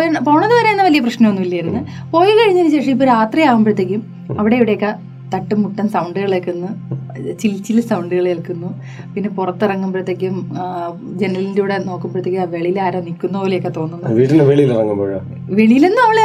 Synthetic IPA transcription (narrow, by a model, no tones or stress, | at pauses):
oɳpo̞ːɳɐðɨʋɐɾe̞jɐnːɐʋɐlijɐprɐɕnɐmonːuilːiajiɾunːɨ | po̞ːjkɐɻiɲːɐint͡ɕe̞ːʂiip̬ːoɾaːt̪rijaːɣumprɐt̪jek̬ʲːum | ɐʋiɽe̞iʋiɽejokːɐ | t̪ɐʈːɨmːuʈːɐnsɐwɳɖɨɣɐɭekːunːu | t͡ɕilt͡ɕːilsɐwɳɖɨɣɐɭelkunːu | pinːe̞purɐt̪ːirɐŋːumprɐt̪ːjek̬ʲːum | d͡ʑe̞nɐɾlɐlindeuːɽe̞no̞ːkːumprɐt̪ːjekʲːiʋe̞ɭijlaːɾɐnikʲːunːɐoːlejokːet̪o̞ːnːunːʋiːʈːineʋeɭijilirɐŋːumpoːɻɐ | ʋe̞ɭijilenːɨɐːɐɭ